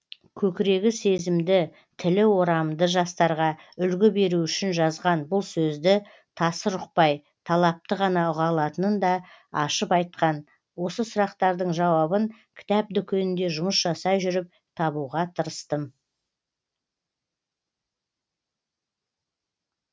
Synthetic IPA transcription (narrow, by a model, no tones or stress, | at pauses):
kʲʰɵkʲɪɾe̞ɡʲɪse̞zɪmd̪ɪ | t̪ʰɪlɪwo̞ɾɑmd̪əʒɑst̪ɑɾʁɑ | ʏlɡʲɪbe̞ɾuʏʃɪnʒɑzʁɑnbʊlˠsɵzd̪ɪ | t̪ʰɑsəɾʊq̚pɑj | t̪ʰɑlˠɑp̚t̪əʁɑnɑʊʁɑlˠɑt̪ənənd̪ɑɑʃəpɑjt̪̚qɑn | wo̞səsʊɾɑqt̪ɑɾd̪əɴʒɑwɑbəŋkʲʰɪ̥t̪æp̚d̪ʏkʲʰenɪnd̪e̞ʒʊməsʒ̥ɑsɑjʒʏɾɪp̚ | t̪ʰɑβuʁɑt̪ʰəɾəst̪ə